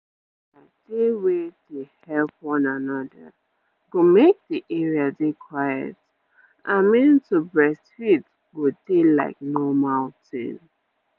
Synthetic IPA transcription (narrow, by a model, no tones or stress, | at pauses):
a | dewedehɛlpwɔ̃nanɔdə̰ | ɡomek̚diʔɛɹiadekʰwajɛ̰t | ʔamĩntubɹɛsthit | ɡodela̰ɪk̚nɔmaltɪ̰̃n